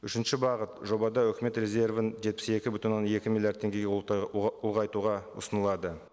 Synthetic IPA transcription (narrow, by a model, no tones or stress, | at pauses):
ʏʃɪnʃɪbɑʁət̪ʒo̞bɑd̪ɑɵkʲɪme̞t̪rʲe̞zʲe̞rvənʒe̞t̪̚pɪ̥se̞kʲɪbʏt̪ʲɪnːone̞kʲɪmilʲˠjaɾd̪t̪ʰːe̞ŋɡʲe̞ɡʲ | ʊlˠʁɑjt̪uʁɑʊ̰sənəlˠɑd̪ə